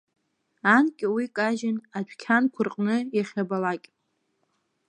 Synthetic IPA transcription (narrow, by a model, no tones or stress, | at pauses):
ankʲʼɪwikʼaʒɪnat͡ɕʷʰᶣkʲʰankʷʰʊrqʼnɨjaχʲabalakʲʼ